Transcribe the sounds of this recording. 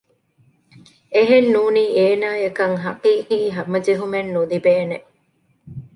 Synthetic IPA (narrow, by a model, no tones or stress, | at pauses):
eɦenːuːniːeːnaːjɐkɐŋɦɐqiːqiːɦɐmɐd͡ʒeɦumenːud̪ibeːne